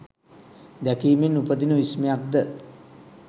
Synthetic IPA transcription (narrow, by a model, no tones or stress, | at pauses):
d̪ækiːminupəd̪inəʋismijak̚d̪ə